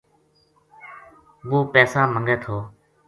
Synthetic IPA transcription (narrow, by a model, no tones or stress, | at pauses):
ɓũːpɛːsaːməŋɡeːt̪ʰoː